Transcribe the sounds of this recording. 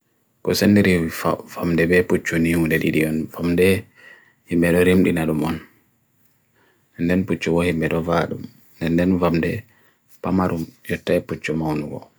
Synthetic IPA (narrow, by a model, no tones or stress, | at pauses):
kɔsandiɾiafamdɛbɛput͡ʃːuniudɛɗḭɗiɔnfamdɛ | himɛɗɔɾimɗinaɗumɔn | ɛndɛnput͡ʃːɔɡɔhimːɛɗɔvaɗṵm | ndɛndɛnvamdɛ | pamaɾumjɔtːaɛput͡ʃːɔmawnuɡɔ̰